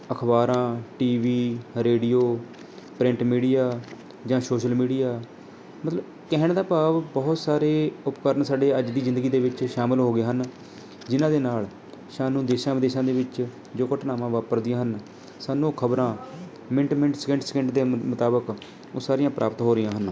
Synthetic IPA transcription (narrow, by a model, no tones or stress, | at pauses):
əkʰbaːɾãːʈiːʋiːɾeːɖijoː | pɾɪ̃ɳʈmiːɖijaː | d͡ʒãːsoːʃəlmiːɖijaː | mət̪ləb | kɛɦɳd̪aːpaːʋbɔːt̪saːɾeːʊpkəɾnsaːɖeːəd͡ʒd̪iːzɪnd̪əɡiːd̪eːʋɪt͡ʃʃaːmɪlɦoːɡeːɦən | d͡ʒɪnãːd̪eːnaːl | ʃaːnũːd̪eːʃãːʋəd̪eːʃãːd̪eːʋɪt͡ʃ | d͡ʒoːkəʈnaːʋãːʋaːpəɾd̪ɪjãːɦən | saːnũːkʰəbɾãː | mɛ̃ɳʈmɛ̃ɳʈsəkə̃ɳʈskə̃ɳʈd̪eːmət̪aːbək | oːsaːɾɪjãːpɾʔa̰ːpət̪ɦoːɾɪjãːɦən